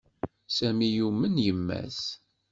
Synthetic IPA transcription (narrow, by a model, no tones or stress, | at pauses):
sæmijumːənjəmːæ̰s